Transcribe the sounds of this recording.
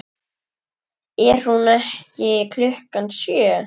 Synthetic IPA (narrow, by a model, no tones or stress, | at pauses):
ɛɾ̥hunɛhcɪkʰlʏhkansjœː